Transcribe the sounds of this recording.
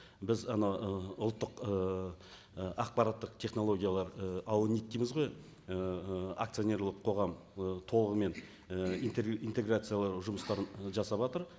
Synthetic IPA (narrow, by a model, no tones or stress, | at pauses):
bɪzɑnɑwəʊlˠt̪ːəqə | ɑq̚pɑɾat̪ːəqt̪ʰe̞χno̞lˠo̞ɡʲijalˠɑɾəɑwənijt̪̚ʲːejmɪzʁo̞j | əa̰k̚t̪sijo̞nʲe̞ɾlˠəqʰːo̞ʁɑm | ət̪ʰo̞lˠəʁəme̞n | əint̪int̪e̞ɡrat̪sɨjalˠɑɾʒʊməst̪ɑɾənʒɑsɑpɑt̪əɾ